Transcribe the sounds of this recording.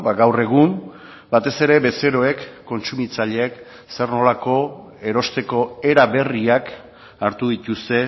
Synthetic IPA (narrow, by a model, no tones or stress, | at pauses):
baɡawre̞ɣ̞um | bat̪e̞se̞ɾe̞be̞se̞ɾo̞e̞kːo̞nt͡sumit͡saʎe̞ːk | se̞rno̞lako̞ | e̞ɾo̞st̪e̞ko̞e̞ɾaβe̞riak | aɾt̪uðit̪ust̪e̞